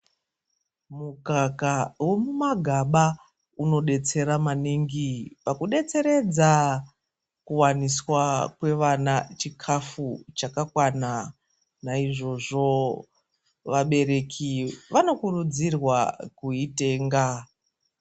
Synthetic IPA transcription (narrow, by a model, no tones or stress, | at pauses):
mukakawo̞mumaɡʱaɓa | uno̞ɗe̞t͡se̞ɾamaniŋɡipakuɗe̞t͡se̞ɾe̞d͡za | kuwaniswakwe̞ʋanat͡ʃikʰafut͡ʃakakwana | naiʐo̞ʐo̞ | ʋaɓe̞ɾe̞kʰiʋano̞kurud͡zirwakuite̞ːŋɡa